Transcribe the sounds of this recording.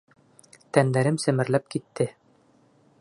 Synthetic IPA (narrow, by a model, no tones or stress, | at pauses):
t̪ænd̪æɾɘmsɘ̆mɘ̆ɾlæp̚kit̪ːɘ